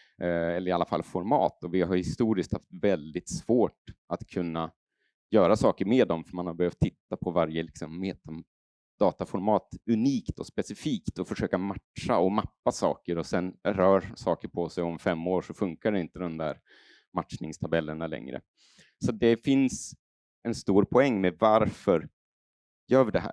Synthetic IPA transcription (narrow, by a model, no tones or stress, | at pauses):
ɛlːəɾɪalːafa̰lːfɔɾmɑ̰ːt̪ɔvɪɦaɾhɪst̪uːɾɪskt̪haft̪vɛld̪ɪt̪svoːʈʔat̪kʰɵnːa | jœːɾasɑːkəɾmeːd̪ɔmfœɾmanhabɛhøːft̪ʰːɪt̪ːapʰɔvaɾjəlɪksɔmːeːt̪a | d̪̥ɑːt̪afɔɾmɑːt̪ɵniːkt̪ʰɔspɛsɪfiːkt̪ɔfœʂøːkamaʈʂaɔmapːasɑ̰ːkəɾɔsɛnɾœːɾsɑːkəɾpʰɔsɛjɔmfɛmːoːʂɔfɵŋkaɖɛɪnt̪əd̪ɔmd̪æ̰ːɾ | matʂnɪŋst̪ʰabɛlːəɳalɛ̰ŋɾə̰ | sat̪̚d̪ɛfɪns | ɛnst̪uːɾpʰɔɛŋːmɛvaɾfœɾ | jœːvɖɛɦæ̰ːɾ